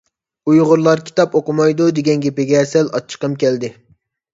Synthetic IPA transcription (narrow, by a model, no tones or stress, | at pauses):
ujʁʊɾlˠɑɾkʲʰi̥t̪ɑpoqʊmɑjd̪ud̪eɡʲɛnɡʲepɪɡʲɛːsɛlɑ̰t͡ʃʰːə̥qəmkʲɛld̪ɪ